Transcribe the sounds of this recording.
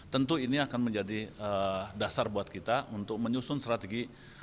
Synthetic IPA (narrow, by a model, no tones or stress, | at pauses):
t̪ənt̪uiniakanməɲd͡ʒadiədasarbuat̪̚kit̪aʔunt̪ʊk̚məɲusʊnst̪ɾat̪eɡi